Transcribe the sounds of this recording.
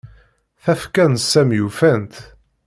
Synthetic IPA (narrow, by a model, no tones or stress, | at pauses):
θæfkænt̪sæmjufænt̪